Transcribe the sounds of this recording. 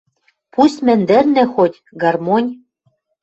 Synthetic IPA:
pusʲt̪ʲmɘ̆nd̪ɘ̆rnĕxot̪ʲ | ɡɑrmonʲ

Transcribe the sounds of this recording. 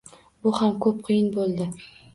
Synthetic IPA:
bʊhamkʰɵp̚qʰɨjɪnbolˠd̪ɪ

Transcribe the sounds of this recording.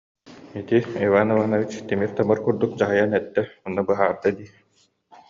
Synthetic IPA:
it̪iivaːnɯvanɔvit͡ɕt̪imift̪amɯɾkuɾd̪uk̚d͡ʑaɦɯjanɛt̪ːɛunːabɯɦaːɾd̪ad̪iː

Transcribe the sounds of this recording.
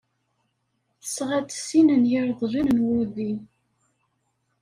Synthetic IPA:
θəsʁæt͡sːsinənjəɾðˤʒənənwʊɾðin

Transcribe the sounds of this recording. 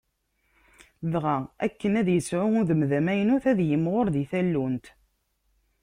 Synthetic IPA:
ðʁææ̰kːənæðjəsʕʊʊðəmðæmæjnuθæðjəmʁʊɾðiθælːunt̪

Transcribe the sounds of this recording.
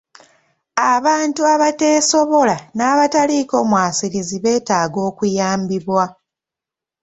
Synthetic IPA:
aβaːntuaβate̞ːso̞βo̞lanaːβataliːko̞ːmwaːsiɾiziβe̞ːtaːɡo̞ːkujaːmbiβwa

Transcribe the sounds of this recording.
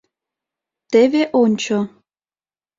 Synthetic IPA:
t̪eβeʔonʲt͡ɕo

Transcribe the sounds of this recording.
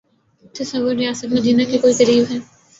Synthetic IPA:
t̪ɐsɐwːəɾːijaːsət̪mɐd̪iːnakekoːikɐɾiːbɦɛː

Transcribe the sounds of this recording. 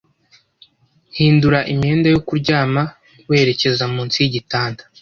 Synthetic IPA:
hiːnduɾaʔimɲe̞ːndajo̞kuɾɟaːma | we̞ːɾe̞ce̞zamuːnt͡sijiɟitaːntḁ

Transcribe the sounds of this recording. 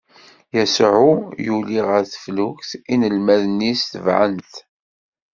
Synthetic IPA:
jæsʕujuliʁəɾθə̥fluçθinəlmæðənːisθəvʕə̰nt̪

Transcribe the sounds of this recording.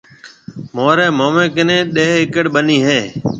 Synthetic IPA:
moːɾeːmoːmẽːkɪnẽːɗeːɦɪkəɽɓəniːɦeː

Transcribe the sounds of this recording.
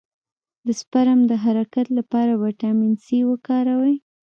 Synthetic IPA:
d̪əspaɾamd̪əɦaɾakat̪lapɑɾabaʈaminsiwəkɑɾawəj

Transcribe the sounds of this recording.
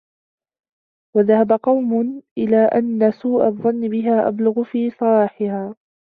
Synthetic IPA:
waðahabaqɑwmʊʔɪlaːʔanːasuːʔaðˤɑnːɪbɪɦaːʔa̰blʊɣʊfiːsˤɑlɑːħɪhaː

